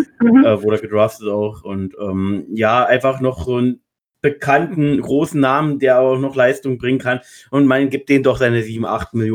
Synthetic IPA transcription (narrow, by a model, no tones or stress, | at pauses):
ɛːvʊːdəɐɡədʁaːftətaʊχʔʊntʔɛːmjaːʔaɪnfaχnɔχz̥oːn | b̥əkʰantn̩ɡʁoːsn̩naːməndeːɐʔabɐaʊxnɔχlaɪstʊŋbʁɪŋənkʰan | ʔʊntmanɡiːp̚td̥eːndɔχz̥aɪnəziːbm̩ʔa̰χtmɪljo